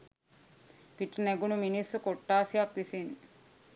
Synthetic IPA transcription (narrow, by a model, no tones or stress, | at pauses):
piʈːneɡunuminisukoʈːaːsijakʋisin